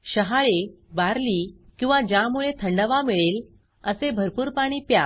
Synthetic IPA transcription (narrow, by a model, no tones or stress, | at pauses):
ɕəɦaɭe | baɾliːkĩw̃ʋad͡ʑjamuɭet̪ʰəɳɖəʋamiɭel | əsebʱəɾpuːɾpaɽ̃iːpja